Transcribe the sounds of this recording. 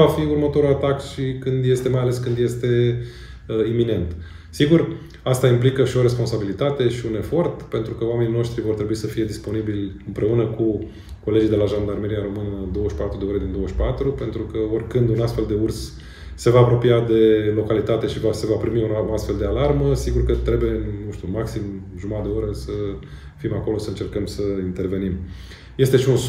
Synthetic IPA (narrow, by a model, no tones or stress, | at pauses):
afiurmət̪o̞ɾulat̪akʃikɨnd̪je̞st̪e̞majaleskɨnd̪je̞st̪e̞ | imine̞nt̪ | siɡur | ast̪aimplikəʃio̞ɾe̞spo̞nsabilit̪at̪e̞ʃiune̞fo̞rt̪pe̞nt̪ɾukəwame̞nino̞ʃt̪ɾivo̞rt̪ɾe̞buisəfije̞d̪ispo̞nibilʲɨmpɾe̞unəku | ko̞le̞d͡ʒijd̪e̞laʒand̪armeɾiaɾo̞mɨnəd̪o̞wəʃʲpat̪ɾud̪eo̞ɾe̞d̪ind̪o̞wəʃpat̪ɾupe̞nt̪ɾukəo̞rʲkɨnd̪unast̪fe̞ld̪e̞ursː | e̞vaːpɾo̞piad̪e̞lo̞kalit̪at̪e̞ʃivasevapɾimiunast̪fe̞ld̪e̞alarməsiɡurkət̪ɾe̞buje̞ɨnnuʃt̪ʲumaksimʒumad̪e̞o̞ɾəsə | fimako̞lo̞səɨnt͡ʃe̞rkəmsəint̪e̞rve̞nim | je̞st̪e̞ʃiun